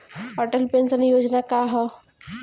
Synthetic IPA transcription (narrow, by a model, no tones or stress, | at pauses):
ɦɔːʈəlpẽnsənjoːd͡ʒnakaɦɔ